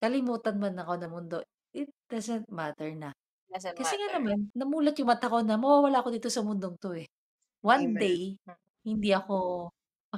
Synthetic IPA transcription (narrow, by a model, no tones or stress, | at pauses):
kɐlɪmuːt̪ɐnmɐnːɐko̞nɐmʊnd̪o̞ʔ | ʔɪt̪̚d̪̥azɛnt̪̚mat̪ɛɹnɐ | kɐssɛŋanɐmanːɐmuːlɐt̪jʊŋmɐt̪ɐko̞nɐmɐwaːwɐlaːʔɐko̞d̪iːt̪osɐmʊnd̪oŋt̪oʔɛ | wand̪ej | hɪnd̪iʔɐko̞ | ɐ